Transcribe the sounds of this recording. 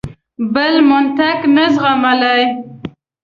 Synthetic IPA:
bəlmʊnt̪aknazʁamalaj

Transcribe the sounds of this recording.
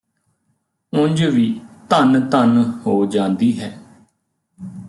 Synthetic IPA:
ʊ̃ɲd͡ʒʋiːt̪ənt̪ənhoːd͡ʒãːnd̪iːɦɛː

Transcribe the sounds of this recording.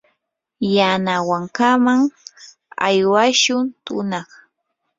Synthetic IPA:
janawaŋkamaŋ | a̰jwaʃʊnt̪ʊnɑχ

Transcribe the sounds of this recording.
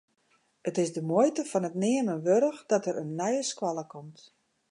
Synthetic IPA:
ətɪsdəmojtəfɔnətnɪəmənʋøɾəxdɔtəɾənːɛjəskwɔlˠəkɔmt

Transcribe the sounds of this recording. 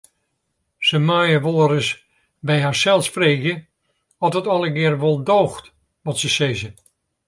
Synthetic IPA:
səmajəʋoːəɾəs | bɛjɦaːɹsɛlˠspreːɣjə | ɔtɔtɔlˠəɡɪərʋɔlˠdoːxt | ʋɔtsəsezə

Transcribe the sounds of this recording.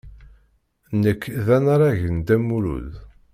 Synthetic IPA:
nəkːðænaɾˤɑʝənd̪æmːuɾṵð

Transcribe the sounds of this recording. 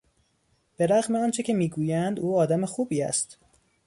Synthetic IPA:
b̥e̞ɾæɣmeɒːnt͡ʃʰe̞cʰe̞miːɡuːjænd̪uːɒːd̪æmexuːbiːæ̰st̪

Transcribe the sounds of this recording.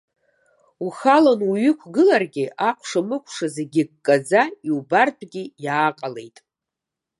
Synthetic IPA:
uχalonuɥʏkʷʰɡɨlarɡʲɪʔaqʷʰʂamɨkʷʰʂazeɡʲɪɡkʼːad͡zaiwbarpʰʼɡʲɪjaːqʼale̞jtʼ

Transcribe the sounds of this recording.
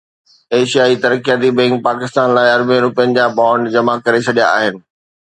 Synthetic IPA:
eːʃijaːit̪ɐɾəkijat̪ibɛ̃ːŋk̚paːkɪst̪aːnlaːɪɐɾbĩɾʊpjənɪ̆d͡ʑaːbaːɳɖd͡ʑɐmakɐɾet͡ɕʰɐɗija̰a̰ːɦɪnɪ̆

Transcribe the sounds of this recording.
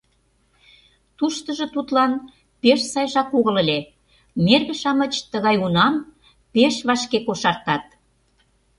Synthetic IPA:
t̪uʃt̪ə̆ʒɤ̆t̪ut̪lɑn | peʃsɑjʒɑkoɣə̆ləlʲe | merɣə̆ʃɑmə̆t͡ɕt̪əɣɑjunɑm | peʃβɑʃkekoʃɑrt̪ɑt̪̚

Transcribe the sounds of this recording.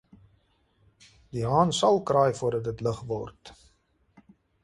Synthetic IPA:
diɦɑːnsɐlˠkrɑjfuərdɐt̚dətləχvɔ̰rt

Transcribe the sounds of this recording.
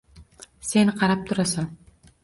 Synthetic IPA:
senqʰɑɾap̚t̪ʰʊɾasan

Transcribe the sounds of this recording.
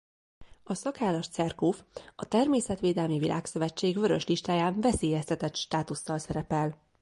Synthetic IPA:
ɒsɒkaːlɒʃt̪sɛrkoːfɒt̪ɛrmeːsɛt̪ʋeːd̪ɛlmivilʔa̰ːksø̞vɛt͡ʃːeːɡvø̞ɾø̞ʃliʃt̪aːjaːnvɛseːjɛst̪ɛt̪ɛt̪ʃt̪aːt̪usːɒlsɛɾɛpɛl

